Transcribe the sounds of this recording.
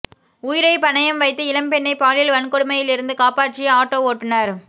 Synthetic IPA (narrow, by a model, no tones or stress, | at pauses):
ʊjɪɾɐɪpɐnɐjɐmʋɐɪt̪ːɯɪlɐmpɛɳːɐɪpaːɭɪlʋɐɳkɔɽɯmɐjɪlɪɾɯnd̪ɯkaːpaːʈt͡ʃɪjɐaːʈːoːoːʈːɯnaːɾ